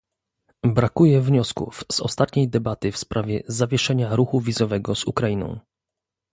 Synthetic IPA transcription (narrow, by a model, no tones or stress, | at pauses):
bɾakujɛvɲɔskṵfz̥ɔ̰st̪at̪ɲejd̪ɛbat̪ɘfspɾʔavʲjɛzavʲjɛʂɛɲaɾuxuvʲizɔvɛɡɔzṵkɾajinɔ̰̃w̃